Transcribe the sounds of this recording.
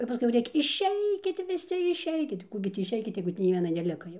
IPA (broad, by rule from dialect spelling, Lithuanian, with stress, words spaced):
jɛʊ pɐˈskʊɪ jɛʊ ˈrʲeːkʲɛ ɪʃʲˈɛɪkʲɪt ʋʲɪˈsʲɪ ɪʃʲˈɛɪkʲɪt ˈkuː ɡʲɪ ˈtʲiː ɪʃʲˈɛɪkʲɪt ˈjɛɪɡʊ tʲiː nʲɛɪ ˈʋʲiɛnɐ nʲɛˈlʲɪkɐ jɛʊ